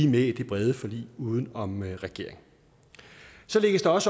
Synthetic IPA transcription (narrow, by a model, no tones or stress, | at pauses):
imed̥e̝b̥ʁɛð̞ˠəfɒ̽lḭːuːð̞ˠn̩ɒ̽mʁɛɡ̥e̝̰ɐ̰e̝ŋ | sɒ̽le̝ɡ̥əsd̥eɒ̽sə